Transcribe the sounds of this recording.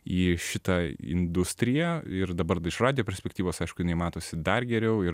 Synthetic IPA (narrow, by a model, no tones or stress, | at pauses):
iːʃʲɪt̪ɑɪ̰nd̪ʊsʲt̪ʲɾʲɪjæɪrd̪ɐbɐɾɪʃrɑːd̪ʲɪjoːpʲɛɾʲsʲpʲɛkt̪ʲiːʋoːsɐɪʃkʊjɪnɐɪmɑːt̪oːsʲɪd̪ɐrɡʲɛɾʲɛʊɪ